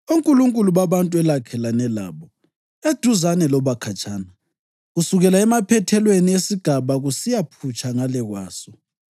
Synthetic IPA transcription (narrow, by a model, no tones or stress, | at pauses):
uŋkʼuluŋkʼuluβaβantʼuɛlakʰɛlanɛla̰ːβɔ | ed̥ʱuzanɛlɔβakʰat͡ʃʼʰaːna | ɣusuɣɛlaɛmapʰɛtʰɛlweniesiɡ̥ʱaβaɣusijapʰut͡ʃʰʼaŋalɛɣwa̰ːsɔ